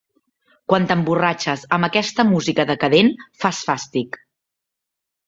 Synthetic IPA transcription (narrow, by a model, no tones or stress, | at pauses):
kwant̪əmburat͡ʃəzəmbəkɛst̪əmuzikəðəkəðenfasfast̪ik